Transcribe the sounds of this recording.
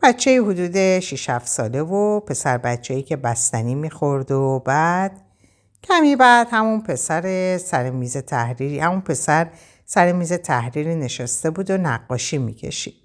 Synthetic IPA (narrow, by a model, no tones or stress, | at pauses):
b̥æt͡ʃʰːeiːɦud̪uːd̪e̞ʃiʃhæfsɒ̰ːle̞vopʰe̞sæɾbæt͡ʃʰejiːcʰe̞bæst̪æniːmixo̞ɾd̪obæːd̪̥ | cʰæmiːbæd̪̥hæmunpʰe̞sæɾe̞sæɾemiːze̞t̪ʰæhɾiːɾihæmunpʰe̞sæɾ | sæɾemiːze̞t̪ʰæhɾiɾiːne̞ʃæst̪e̞buːd̪onæɡːɒːʃiːmḭːcʰḛʃid̪̥